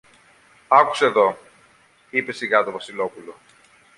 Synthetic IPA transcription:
ɐku̥seðo̞ | ipe̞siɣɐt̪o̞vɐsilo̞pulo̞

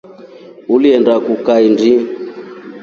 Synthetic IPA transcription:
uliɛndakukaindi

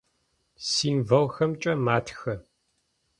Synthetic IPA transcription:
siːmvɐwxɐmt͡ʃʼɐmaːtʰxɐ

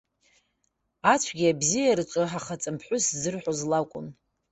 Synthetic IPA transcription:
at͡ɕʷʰɡʲiabzijaɾɨt͡ʃʷʼɨħaχat͡sʼɨmpʰħʷʊszɨrħʷozlakʷʼʊ̰n

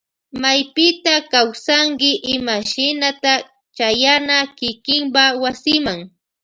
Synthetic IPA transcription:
majpɪt̪akawsaŋkɪʔɪmaʃɪnat̪a | t͡ʃajanakɪkɪmpawasɪmaŋ

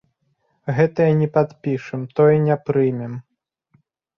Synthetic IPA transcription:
ɣɛt̪ɐjanʲɛpad̪pʲiʂɨmt̪ɔjɛnʲɛpɾɨjmʲɛm

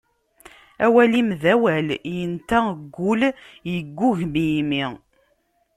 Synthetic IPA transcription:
æwælimðæwæljənt̪æɡʷːʊljəɡʷːuʝmijmi

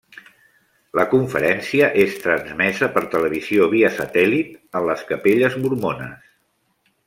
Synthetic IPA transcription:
ləkuɱfəɾɛnsiəʔest̪ɾənzmɛzəpəɾt̪ələβ̞izioβ̞iəsət̪ɛlit̪ənləskəpeʎəzmuɾmonə̰s

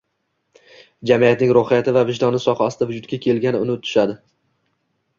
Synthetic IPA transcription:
d͡ʒamijat̪nɪŋɾohɪjat̪ʰɪvavɪʃd̪ɒnɪsɒqɑɒst̪avʊd͡ʒʊt̪̚kʲakʲʰe̞lɡʲanɪʊnɪt̪ʰʊ̥ʃad̪ɪ

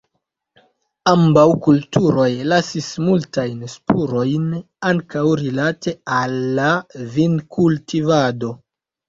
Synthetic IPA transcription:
ambawkultuɾo̞jlasismultajnspuɾo̞jn | aŋkawɾilate̞alːavinkʰultivado̞

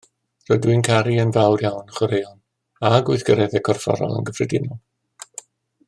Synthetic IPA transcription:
rɔdwɨnkʰaɾiənvawrjawnəχwəɾejɔn | aɡʊɨθɡ̥əɾɛðɛkʰɔrfɔ̰ɾɔ̰lˠə̰nɡəvrɛdɪnɔlˠ

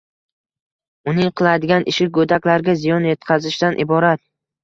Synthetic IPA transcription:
ʊnɪŋqʰɨlˠad̪ɪɡʲanʔɪʃɪɡɵd̪akʲlaɾɡʲazɪjɒnjet̪qʰazɪʃt̪anʔɪbɒɾat̪̚

